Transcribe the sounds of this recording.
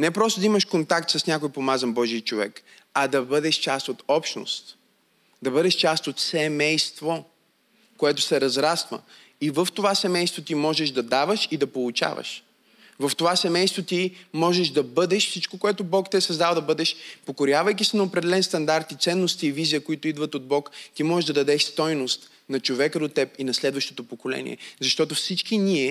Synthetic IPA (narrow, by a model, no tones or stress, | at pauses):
nɛpɾɔst̪ʊd̪ɐiməʃkont̪akt̪sɐsnʲakojpomazɐnbɔʒiət͡ʃovɛ̰k | ɐd̪ɐbɤd̪ɛʃt͡ʃast̪ot̪ɔpʃno̰st̪ | d̪ɐbɤd̪ɛʃt͡ʃast̪ot̪sɛmɛjst̪vo | koɛt̪ʊ̥sɛɾɐzɾasvə̰ | ivəft̪ovasɛmɛjst̪vot̪imɔʒɛʃd̪ɐd̪avəʃid̪ɐpolˠut͡ʃa̰və̰ʃ | vɐft̪ovasɛmɛjst̪vot̪imɔʒɛʃd̪ɐbɤd̪ɛʃfsit͡ʃkokoɛt̪ʊbɔkt̪iɛsɐzd̪alˠd̪ɐbɤd̪ɛʃpokoɾʲjavəjk̬ʲisinɐopɾɛd̪ɛlɛnst̪ɐnd̪aɾt̪it̪sɛnːost̪iːviziəkoit̪ʊid̪vɐt̪od̪̚bɔkt̪imɔʒɛʒd̪ɐd̪ɐd̪ɛʃst̪ɔjnost̪ | nɐt͡ʃovɛkəd̪ot̪ːɛp̚inɐslɛd̪vəʃt̪ot̪opokolɛ̰nḭɛ̰zɐʃt̪ɔt̪ofsit͡ʃkiniɛ